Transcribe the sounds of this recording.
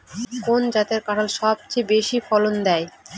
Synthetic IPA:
kond͡ʑat̪eɾkaʈalʃɔb̚t͡ɕebeʃifɔlond̪ɛe

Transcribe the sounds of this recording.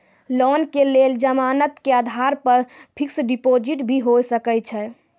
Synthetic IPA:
lɔnkeleld͡ʒəmanət̪kead̪ʱaɾpəɾpʰiksɖipod͡ʒiʈbʱiɦojsəkət͡ʃʰɛ

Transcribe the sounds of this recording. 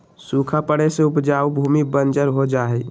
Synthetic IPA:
sukʰapəɽeseʊpd͡ʒaːwbʱuːmibənd͡ʒəɾɦod͡ʒaːɦɛ

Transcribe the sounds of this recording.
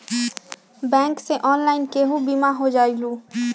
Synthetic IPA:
bɛ̃ːŋkseʔɔːnlaːɪnkeɦubiːmaɦod͡ʒaːiluː

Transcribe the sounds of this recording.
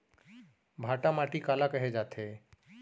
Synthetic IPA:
bʱaːʈamaʈikaːlakəɦed͡ʒaːt̪ʰe

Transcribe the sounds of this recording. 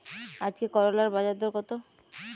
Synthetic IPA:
ad͡ʑkekɔɾolaɾbad͡ʑad̪ʱoɾkɔt̪o

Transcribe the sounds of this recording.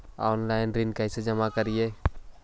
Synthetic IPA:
ɔːnlaːɪnɾɪnkəɪsed͡ʒəmakəɾijeː

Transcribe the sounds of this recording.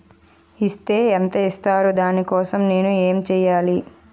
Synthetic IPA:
ist̪e̞ːent̪ɐist̪aːɾud̪aːnikɔːsɐmne̞ːnueːmt͡ʃɛːjaːli

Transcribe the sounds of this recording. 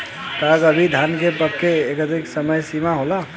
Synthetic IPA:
t̪akəbʱid̪ʱankepəkːeekət̪iksəməjsimaɦola

